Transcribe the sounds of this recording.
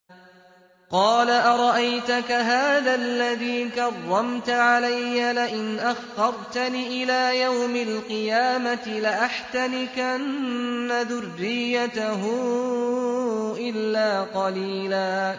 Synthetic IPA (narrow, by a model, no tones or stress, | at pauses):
qɑːlaʔaɾˤɑʔajt̪akaɦaːðalːaðiːkɑrˤːɑmt̪aʕalajːalɪʔɪnʔaxːɑɾˤt̪aniːʔɪlaːjawmalqɨjaːmat̪ɪlɪʔaħt̪anɪkʔannnːaðʊrːɪjːat̪aɦʊ | ʔɪlːaːqɑliːlaː